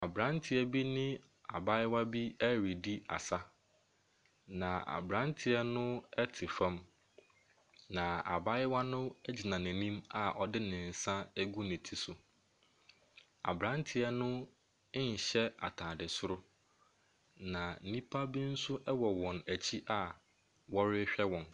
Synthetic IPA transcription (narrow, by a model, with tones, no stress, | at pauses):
a˨bɾã˦ntʰɪ˦ɛ˦bi˦nɪ̃˦ | a̰˨ba˦jɪ˦wa˦bi˦æ˦ɾi˨di˦a̰˨sa˦ | nã˨a̰˨bɾã˦ntʰɪ˨ɛ˦nʊ̃˦ɛ˦tʰɪ˨fã˦m | nã˨a̰˨ba˦ɪ˦wa˦nʊ̃˦ɛ˦d͡ʑi˨nã˨næ̃˨nĩ˦ma˨ʔɔ˨dɪ˦nɪ̃˨n̩˨sã˦æ˦ɡu˦nɪ̃˨tʰi˨sʊ˨ | a̰˨bɾã˦ntʰɪ˨˦ɛ˦nʊ̃˦ | ɲ̩˨ɕɛ˦a̰˨tʰaː˨dɪ˨sʊ˦ɾʊ˦ | nã˨n̩˨nĩ˦pʰa˦bi˦n̩˦sʊ˦ʔɛ˦wɔ˨wɔ̃˨næ˨t͡ɕʰi˦ʔa˨ | wɔ˦ɾɪ˦ɕᶣɛ˦wɔ̃˨n